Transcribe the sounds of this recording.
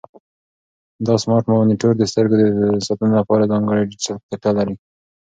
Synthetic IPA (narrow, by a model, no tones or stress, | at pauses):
d̪ɑsmɑɾʈmawniʈoɾd̪əst̪əɾɡod̪əsɑt̪ənolapɑɾazɑŋɡəɽajɖɪsalkt̪aʈalaɾi